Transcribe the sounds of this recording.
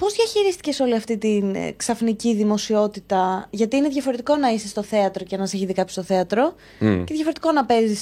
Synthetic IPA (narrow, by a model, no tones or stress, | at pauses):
po̞zðʝɐçiɾist̪i̥ce̞so̞liɐft̪it̪inksɐfniciðimo̞sio̞t̪it̪ɐʝɐt̪iine̞ðʝɐfo̞ɾe̞t̪iko̞nɐisest̪o̞θe̞ɐt̪ɾo̞cenɐseçiðikɐpço̥st̪oθe̞ɐt̪ɾo̞ | ce̞ðjʝɐfo̞ɾe̞t̪i̥ko̞nɐpe̞zis